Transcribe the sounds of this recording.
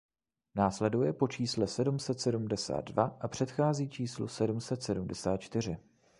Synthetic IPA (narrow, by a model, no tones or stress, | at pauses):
naːslɛdujɛpo̞t͡ʃiːslɛsɛdumsɛt̪sɛdumdɛsa̰ːd̪dvaʔapr̝̥ɛt̪xaːziːt͡ʃiːslṵsɛdumsɛt̪sɛdumdɛsaːt̪̚t͡ʃt̪ɪr̝ɪ